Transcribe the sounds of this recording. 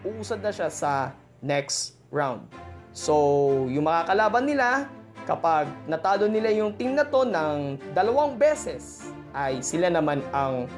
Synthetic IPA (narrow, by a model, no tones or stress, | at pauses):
ʔuʔuːsɐd̪nɐʃasɐ | nɛks | ɹawnd̪̚so̞jʊŋmɐŋakɐlaːbɐnːɪlakɐpaɡ̚nɐt̪aːlo̞nɪlajʊŋt̪ɪŋnɐt̪o̞nɐŋd̪ɐlɐwɐŋbɛːsɛs | ʔɐjsɪlanɐmanɐŋ